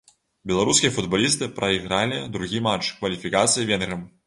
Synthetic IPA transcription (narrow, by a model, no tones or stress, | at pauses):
bʲɛlˠaɾuskʲijɐfud̪balʲis̬t̪ɨpɾɐiɣɾalʲid̪ɾuɣʲimat͡ʂkvɐlʲifʲikat̪sɨjivʲɛnɣɐm